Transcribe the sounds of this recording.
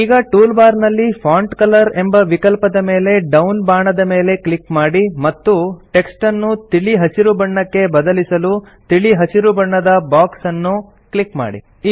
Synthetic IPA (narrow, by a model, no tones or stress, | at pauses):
iːɡɐʈuːlbaːɾnɐlːipʰaːɳʈkɐlɐɾe̞mbɐʋikɐlpɐd̪ɐme̞ːle̞ɖɐwnbaːɳɐd̪ɐme̞ːle̞klikmaːɽimɐt̪ːuʈe̞ksʈɐnːut̪iɭiɦɐsiɾubɐɳːɐkːe̞bɐd̪ɐlisɐlu | t̪iɭiɦɐsiɾubɐɳːɐd̪ɐbaːksɐnːu | kɭikma̰ːɽḭ